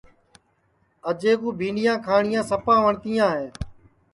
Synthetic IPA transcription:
əd͡ʒeːkuːbʱĩːɳɖɪjãːkʰaːɳɪjãːsəpãːʋəɳt̪iːjãːɦeː

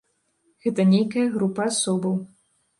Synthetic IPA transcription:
ɣɛt̪ɐnʲejkɐjɐɣɾupɐasɔbɐw

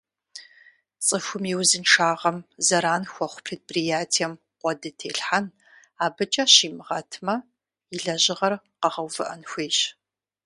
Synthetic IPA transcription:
t͡sʼɨxʷʊmiwzɨnʈ͡ʂaːʁɐmzɐɾaːnxʷɔχʷʊpʰreːd̚prijaːtʰijɛm | qʷɔdɨtʰeːɬħan | aːbɨt͡ʃʼɐɕiːmɨʁɐ̰tʰmɐ | iɮɐʑɪʁɐr | qɐʁɐwvɨʔɐnxʷeːɕ

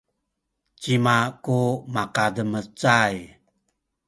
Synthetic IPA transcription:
t͡ɕimakumakadəmət͡saj

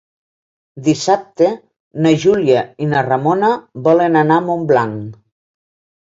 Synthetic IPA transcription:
d̪isap̚t̪e | naʒuljainaramonaβɔlenanamomblaŋ

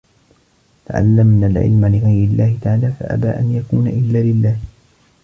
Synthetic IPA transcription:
t̪a̰ʕa̰lːamnaːlʕɪ̰lmalɪɣɑjɾɪlːaːhɪt̪aʕaːlaːfa̰ʔa̰baːʔanjakuːnaʔɪlːaːlɪlːaːh

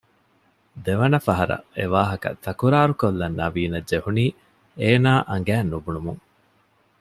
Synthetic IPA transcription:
d̪eʋɐnɐfɐɦɐɾɐ̰eʋaːɦɐkɐ̰t̪ʰɐkuɾaːɾukolːɐnːɐʋiːnɐdd͡ʒehuniː | eːnaːʔɐŋ̆ɡæːnːubunumuŋ

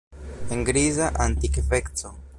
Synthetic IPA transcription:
eŋɡɾizaʔant̪ikfekt͡so

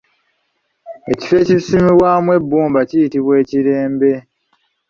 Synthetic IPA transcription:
e̞ci̥fe̞ːcisimiβwaːmwe̞bːuːmbacijitiβwe̞ːciɾe̞ːmbe̞

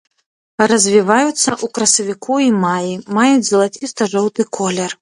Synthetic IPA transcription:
rɐzʲvʲivajut̪sːɐʔukɾɐsɐvʲikʰuimajimajut͡sʲzɐlˠat͡sʲist̪ɐʐɔwt̪ɨkʰɔlʲɛr

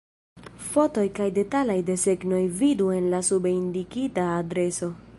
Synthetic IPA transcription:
fo̞to̞jkajde̞talajde̞se̞ɡno̞jvidue̞nlasubindikitaːdɾe̞so̞

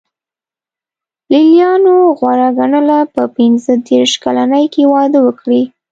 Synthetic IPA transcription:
lilijɑnoɣwaɾaɡaɳəlapəpɪnzəd̪eɾʃkalanəjkewɑd̪əwəkɽi

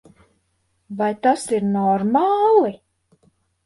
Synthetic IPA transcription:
vajt̪asiɾnɔɾmaːlˠi

